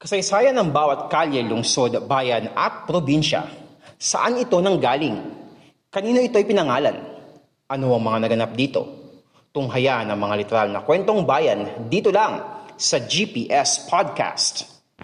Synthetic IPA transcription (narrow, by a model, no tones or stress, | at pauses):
kɐsɐjsaːjɐnɐŋbaːwɐt̪̚kaljɛlʊŋso̞d̪baːjɐnɐ̰t̪̚pɾobinʃɐ̰ | sɐ̰ʔanɪt̪o̞nɐŋɡaːlɪŋ | kɐniːno̞ʔɪt̪o̞jpɪnɐŋaːlɐ̰n | ʔɐnoʔɐŋmɐŋanɐɡɐnap̚d̪iːt̪o̞̰ | t̪ʊŋɦɐjanɐŋmɐŋalɪt̪ɛɾalnɐkwɛnt̪o̞ŋbaːjɐnd̪iːt̪olaŋsɐd͡ʒipiːʔɛspʰad̪̚ka̰st̪